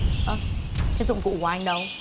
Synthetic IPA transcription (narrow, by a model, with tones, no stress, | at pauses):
ʔə˨˧˩kʰa˨˧˦zʊ̰˧˨ŋ͡mfṵ˧˨kwaː˨˧ʔa˧ŋ̟ɗə˧w